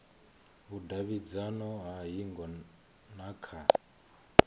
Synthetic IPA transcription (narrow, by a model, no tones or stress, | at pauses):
βudaβid͡zanɔɦaɦiŋɡɔ | nakʰa